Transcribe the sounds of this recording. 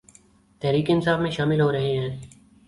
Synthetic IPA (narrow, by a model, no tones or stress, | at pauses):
t̪ɛɦɾiːkeɪnsaːfmẽʃaːmɪlɦoɾɐɦeɦɛ̃ː